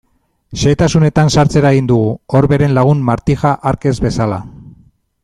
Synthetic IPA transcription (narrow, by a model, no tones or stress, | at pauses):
ʃe̞t̪asune̞t̪ansaɾt͡se̞ɾaeɣind̪uɣ̞uoɾβe̞ɾe̞nlaɣ̞unmaɾt̪ixaʔaɾke̞zβe̞sala̰